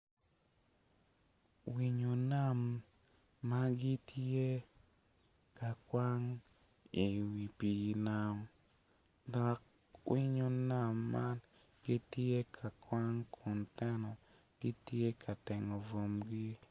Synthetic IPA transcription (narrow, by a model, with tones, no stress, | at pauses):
wi˨ɲo˨na˦˨mː | a˦ɡi˦tʰe˦ | ka˨kwa˦ŋ | i˨wi˨pi˨ɡi˨na˨m | dɔ˨k̚ | wi˦ɲo˨na˦˨mːa˦n | ɡi˦tje˦kʰa˨kwa˦ŋkʰu˨ntɛ˦nɔ˨ | ɡ̥ɪ˦tje˦kʰa˨tɛ˨ŋɔ˨vo˨mɡi˦